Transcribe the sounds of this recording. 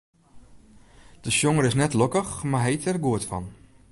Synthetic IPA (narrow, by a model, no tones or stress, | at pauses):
d̥əsjoŋəɾɪsnɛtlɔkəxmaɦɛjtɛrɡuətfɔ̰n